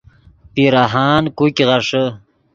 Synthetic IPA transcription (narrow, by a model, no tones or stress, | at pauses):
piɾaɦaːnkukiʁaʂə